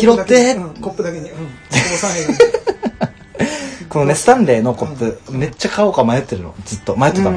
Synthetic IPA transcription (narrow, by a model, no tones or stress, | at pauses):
kʲiɾot̪ːe | ko̞no̞ne̞sɨ̥t̪ãnɾe̞ːno̞kopːɯ̟me̞t͡ɕːakaokamajo̞t̪ːe̞ɾɯ̟no̞̰d͡zɨt̪ːo̞majot̪ːet̪am